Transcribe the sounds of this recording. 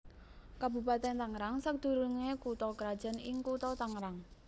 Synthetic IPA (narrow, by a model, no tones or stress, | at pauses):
kabṳpat̪ɛnt̪aŋɾaŋsək̚d̪̥ṳɾuŋekut̪ɔkɾad̥ʒ̥a̤nɪŋkut̪ɔt̪aŋɾaŋ